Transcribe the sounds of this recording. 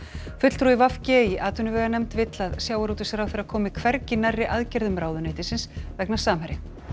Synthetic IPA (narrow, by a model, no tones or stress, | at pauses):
fʏt̪l̥t̪ɾuivafcɛːjɪʔaːt̪ʏnʏvɛːɣanɛmt̪vɪt̪laðsjaːwaɾuːt̪ʏsɛɾawfθɛɾːaðkʰɔːmɪkʰvɛɾcɪnarːɪʔaðcɛɾðʏmɾaːwðʏneːt̪ɪsɪnsvɛknasaːmhɛɾɪ